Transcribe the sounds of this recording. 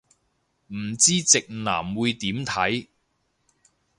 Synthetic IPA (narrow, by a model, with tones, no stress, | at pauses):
m̩˨˩t͡siː˥t͡sɪ˨k̚na̰ː˨˩mwuː˨˧jt̪iː˨˥mt̪ʰɐ˨˥j